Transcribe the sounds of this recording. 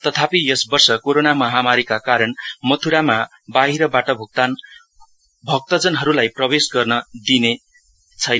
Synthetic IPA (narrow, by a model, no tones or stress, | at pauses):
t̪ʌt̪ʰapijʌsbʌrsʌkoɾonamʌɦamaɾikakaɾʌnmʌt̪ʰuɾama | baɦiɾʌbaʈʌbʱuk̚t̪an | bʱʌk̚t̪ʌd͡zʌnɦʌɾulajprʌbesɡʌrnʌd̪ine | t͡sʰʌjna